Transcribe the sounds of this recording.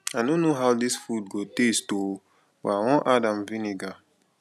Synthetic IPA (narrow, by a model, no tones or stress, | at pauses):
adõnːoɦawdisfudɡotesto | w̰awɔ̃ʔadãmvĩniɡa